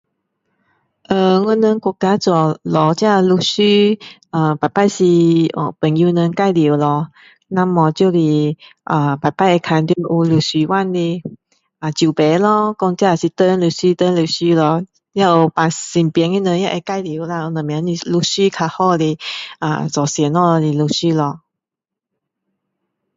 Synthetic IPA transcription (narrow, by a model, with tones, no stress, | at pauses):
ʔə˧ŋɔ˧˦nə˧ŋkɔ˧˩ka˦t͡sɔ˨˩lɔ˨˧˦t͡ɕja˥˧lu˧ɕy˧ʔə˨˩pa˨˩jpa˥˧jsi˧ə̰˧˩pə˨˩nju˧nə˧ka˥˧jli˨˦lɔ˧ | na˧mɔ˨˩t͡ɕjo˥˧li˧˩ʔə˨˩pa˨˩jpa˥˩jə˧kʰa˧nd̪jo˧ʔu˧lu˨˩si˨˦wa˥˨nli˧ | a˨˩t͡ɕju˨˩pe˨˦lɔ˧kɔ˧ŋt͡ɕja˥˧˩a˨si˧˦t̪ə˧˦nlu˧˩ɕy˧t̪ə˧˦lu˧˨˩ɕy˧lɔ˧ | ja˧o˧˩pa˨˩si˨˩npjɛ˧˦ŋi˧nə̃˧ja˧ʔe˧˦ka˥˨jli˨˩˦wla˧u˧˦nə̃˨m̃˨ã˨˧˦ni˧˩lu˧ɕy˥˦kʰa˧hɔ˥˧le˧ʔa̰˨t͡sɔ˨˩sjɛ˨˦nɔ˧lɔ˧li˨˩lu˧˩ɕy˥˧lɔ˧